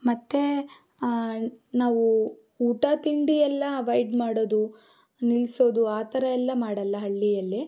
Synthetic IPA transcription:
mɐt̪ːe | naːʋu | uːʈaːt̪iɳɖijɛlːɐɐʋɐjɖmaːɽoːd̪u | nilso̞ːd̪uaːt̪ɐɾɐɛlːɐmaːɽɐlːɐɦɐɭːijɐlːi

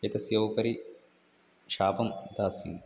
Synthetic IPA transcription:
ɐt̪ɐsjɐʋpɐɾi | ʃaːpɐmd̪aːsḭːn

